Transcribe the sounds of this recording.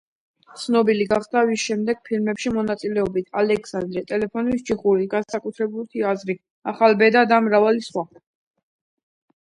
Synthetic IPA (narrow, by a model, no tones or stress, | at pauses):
t̪sʰnɔbiliɡaχd̪avisʃɛmd̪ɛɡ̥̚pʰilmɛpʃimɔnat̪sʼilɛɔbit̪ʰalɛkʰsand̪ɾɛt̪ʼɛlɛpʰɔnist͡ʃʰiχuɾiɡansakʼut̪ʰɾɛbult̪ʰiazɾi | aχalbɛd̪ad̪amɾavalisχwa